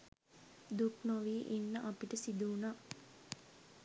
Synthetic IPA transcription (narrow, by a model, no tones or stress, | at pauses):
d̪uknoʋiʔinːəʔapiʈəsid̪uːnaː